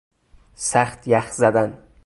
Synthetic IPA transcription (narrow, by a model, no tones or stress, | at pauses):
sæxt̪ʰjæxzæd̪æn